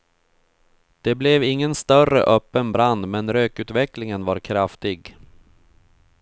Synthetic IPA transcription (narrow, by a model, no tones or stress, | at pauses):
d̪̥ɛblɛvɪŋːənst̪œrə̰ʔœpːənbɾand̪mɛnɾøːkʉ̟ːt̪vɛklɪŋənvaɾkʰɾaft̪ɪɡ